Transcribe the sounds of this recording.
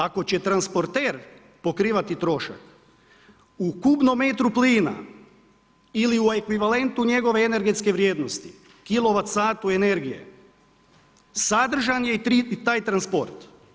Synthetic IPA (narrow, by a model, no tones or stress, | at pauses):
ako̞t͡ɕe̞t̪ɾanspo̞ɾt̪e̞ːɾ | po̞kɾiːʋat̪it̪ɾo̞ʃa̰k | ukubno̞met̪ɾupliːna̰ | iliuekʋiʋale̞nt̪uɲe̞ɡo̞ʋe̞ːne̞ɾɡet̪ske̞ʋɾjeːd̪no̞st̪i̥ | kilˠo̞ʋat̪saːt̪ue̞ne̞ɾɡije̞̰ | sad̪r̩ʒanjeit̪aːjt̪ɾanspo̞̰ɾt̪